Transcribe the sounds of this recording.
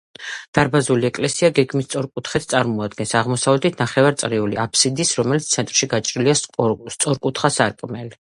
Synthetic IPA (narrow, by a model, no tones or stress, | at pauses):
d̪̥aɾbazuliɛkʼlɛsiaɡɛɡmist̪sʼɔɾkʼut̪ʰχɛt̪ʰt̪sʼaɾmɔad̪ɡɛnsaʁmɔsavlɛt̪ʰit̪ʰnaχɛvaɾt̪sʼɾiuliapʰsid̪isɾɔmɛlit̪st̪sʰɛnt̪ʼɾʃiɡat͡ʃʼɾiliast̪sʼɔɾkʼut̪ʰχasaɾkʼmɛli